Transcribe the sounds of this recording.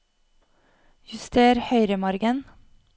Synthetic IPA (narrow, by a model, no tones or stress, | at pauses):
jʉst̪eːɾhœʏɾəmɑɾɡən